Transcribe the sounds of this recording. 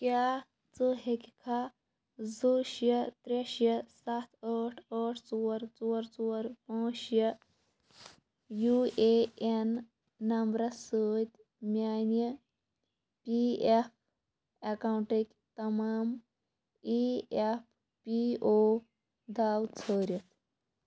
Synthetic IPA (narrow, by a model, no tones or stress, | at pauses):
kʲjaː | t͡sɨɦekʲikʰa | zuʃjɐt̪ɾeʃjɐsat̪ʰəʈʰəːʈʰt͡suːɾt͡soːɾt͡soːɾpãːʃjɐ | jueenː | ɐmbɾɐsəːt̪ʲ | mʲjaːnjə | piep̚ | ekawɳʈekʲ | t̪ɐmaːm | piep̚ | pioː | d̪aːwt͡sʰəːɾjɐt̪ʰ